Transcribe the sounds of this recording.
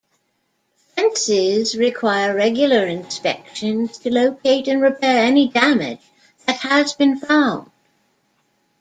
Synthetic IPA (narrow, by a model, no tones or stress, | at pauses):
fɛ̃nsɪzɹɨkʰw̥aɪəɹɛɡjl̩ˠə˞ɨ̃nspɛkʃɨ̃nz̥tʰɨloʊkʰeɪɾɨ̃nɹɨpʰɛɹɛnidæmɪ̰̥d͡ʒ | ðɨt̚həzbɨ̃nfãʊ̃nd̥